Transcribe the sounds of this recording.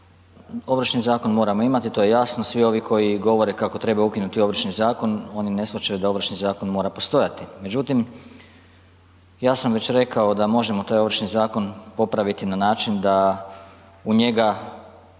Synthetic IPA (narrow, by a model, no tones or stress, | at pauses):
o̞ʋr̩ʃnizaːko̞nmo̞ːɾamo̞imat̪it̪o̞je̞jasnosʋio̞ʋiko̞jiɡo̞ʋo̞ɾe̞kako̞t̪ɾe̞baukinut̪io̞ʋr̩ʃnizaːko̞no̞ːnine̞sʋat͡ʃajud̪ao̞ʋr̩ʃnizaːko̞nmo̞ːɾapo̞st̪o̞jat̪ime̞d͡ʒut̪im | jaːsamʋe̞t͡ɕɾe̞kao̞d̪amo̞ʒe̞mo̞t̪aːjo̞ʋr̩ʃnizaːko̞npo̞pɾaʋit̪inanaːt͡ʃind̪a | uɲe̞ɡa